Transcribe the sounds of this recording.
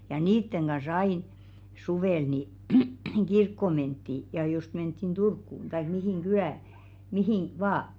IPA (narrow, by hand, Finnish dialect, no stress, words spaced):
jɑ niːtːeŋ ɡ̊ɑs ɑin suʋeˑl ni ɡ̊irkːoˑ mentːi jɑ jost mentːin d̥urkːuˑn tɑik mihiˑŋ ɡ̊ylæˑ mihiˑn ʋɑː